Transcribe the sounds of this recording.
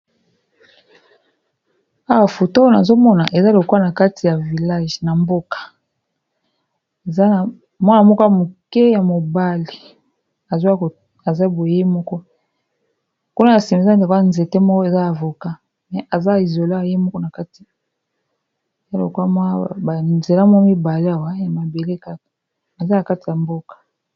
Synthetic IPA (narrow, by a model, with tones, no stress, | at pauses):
a˦wa˨fo˨to˦na˨zo˦mɔ˦na˨ʔe˨za˦lo˨kwa˦na˨ka˦tʰi˨ja˨vi˨la˦ʒna˨mbo˦kḁ˨ | e˨za˦˨ | mwa˦na˨mɔ˦ka˨mu˨kɛ˦ja˨mo˨ba˦li˨ | a˨z | a˨za˦bo˨˦e˦mɔ˦kɔ˦ | ku˦na˦ja˨si˨m˨a˦dknze˨te˦mɔ˦kɔ˦e˨za˦ja˨vo˨ka˦ | mɛ˨a˨za˦˨i˨zo˨la˦˨je˦mɔ˦kɔ˦na˨ka˦ti̥˨ | a˦lo̰˨kwa˦mwa˦ba˨nze˨la˦mɔ˦mi˦ba˨le˦a˨wa˦ja˨ma˨be˨le˦ka˦˨ | a˨za˦na˨ka˦ti˨ja˨mbo˦kḁ˨